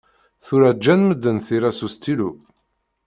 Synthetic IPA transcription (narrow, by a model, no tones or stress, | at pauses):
θuɾæd͡ʒːænməd̪ːənθiɾæsust̪ʰilu